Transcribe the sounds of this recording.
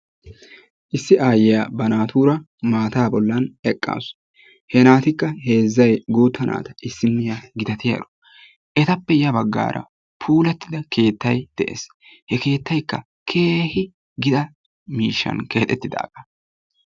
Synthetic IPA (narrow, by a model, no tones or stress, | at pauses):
ʔɪsːɪʔaːjɪjaːbɐnaːt̪uːɾɐ | maːt̪aːbɔlːɐnɛkʼːa̰ːsʊ̥ | hɛnaːt̪ɪkːɐhe̞ːzːɐjɡoːt̪ːɐnʔa̰ːt̪ɐ̥ʔɪsːɪmːɪjaɡɪd̪ɐt̪ɪjɐ̰ɾɔ̥ | ʔɛt̪ɐpːɛjɐbɐɡːa̰ːɾʔɐ̰ | pʰuːlɐt̪ːɪd̪ɐkʰe̞ːt̪ːɐjd̪̥ɛʔḛːs | hɛke̞ːt̪ːɐjkːɐ | kʰeːhɪ | ɡɪd̪ɐ | miːʃːɐ̰nke̞ːt̪ʼɛt̪ːɪd̪a̰ːkʼɐ̥